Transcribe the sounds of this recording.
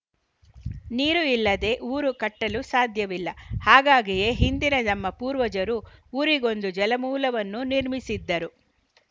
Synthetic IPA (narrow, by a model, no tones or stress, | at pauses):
niːɾuilːɐd̪e̞ːʔuːɾukɐʈːɐlusaːd̪ʱjɐʋilːɐhaːɡaːɡije̞ɦind̪inɐnɐmːɐpuːɾʋɐd͡ʒɐɾuuɾiɡo̞nd̪ud͡ʒɛlɐmuːlɐʋɐnːuniɾmisid̪ːɐɾu